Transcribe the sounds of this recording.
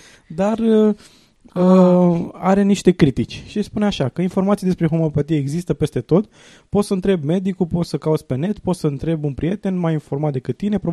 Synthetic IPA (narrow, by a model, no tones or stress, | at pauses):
d̪arə | ə | a̰ɾe̞niʃt̪e̞kɾit̪it͡ʃʲʃispuneaʃakəinfo̞rmat̪sied̪espɾexomopat̪ijeːɡzist̪əpe̞st̪e̞t̪o̞t̪ | po̞t̪səɨnt̪ɾe̞bme̞d̪ikulpo̞t̪səkaut̪sʲpe̞ne̞t̪po̞t̪səɨnt̪ɾe̞bunpɾije̞t̪e̞nmajinfo̞rmat̪̚d̪ekɨt̪̚ːine̞pɾo